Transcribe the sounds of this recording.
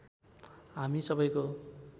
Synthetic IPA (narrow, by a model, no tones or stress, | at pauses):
ɦamisʌbʌjko